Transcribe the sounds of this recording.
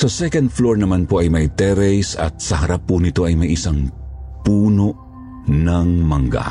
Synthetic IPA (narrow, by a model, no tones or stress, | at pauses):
sɐsɛkɐnd̪̚floɹnɐmanpoʔɐjmɐjt̪ɛɾɛjsɐ̰t̪̚sɐɦɐɾapːʊnɪt̪o̞ʔɐjmɐjɪsaŋpuːno̞ʔ | nɐŋmɐŋɡa̰